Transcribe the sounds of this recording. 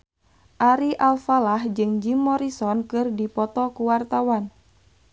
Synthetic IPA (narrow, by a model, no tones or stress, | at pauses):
ʔaɾiʔalfalahd͡ʒɨŋd͡ʒimɔɾisɔnkɨrdipɔt̪ɔkuwart̪awan